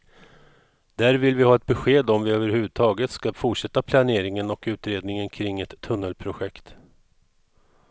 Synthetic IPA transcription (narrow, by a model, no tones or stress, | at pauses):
d̪̥æːɾvɪlvɪhɑːɛt̪̚bɛɧeːd̪ɔmvɪøːvəɾhʉ̟ːvɵd̪̚t̪ʰɑːɡət̪skafʊʈʂɛt̪ːapʰlaneːɾɪŋənɔkʉ̟ːt̪ɾeːd̪nɪŋənkʰɾɪŋːɛt̪ʰːɵnːəlpʰɾʊɧɛkt̪